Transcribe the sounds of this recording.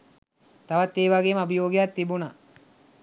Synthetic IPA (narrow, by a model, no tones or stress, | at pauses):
t̪aʋɐt̪ːeːʋaɡeːməɐbijoːɡijat̪ːibuna